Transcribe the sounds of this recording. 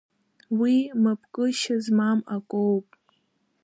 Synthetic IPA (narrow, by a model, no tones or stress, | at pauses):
wimapʰkʼɨʃazmamakʷʼowpʼ